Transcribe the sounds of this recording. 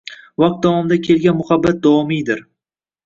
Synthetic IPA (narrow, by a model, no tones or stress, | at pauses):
vɒq̚t̪̚d̪ɒwɒmɪd̪akʲʰe̞lɡʲanmʊhabːat̪̚d̪ɒwɒmijd̪ɪɾ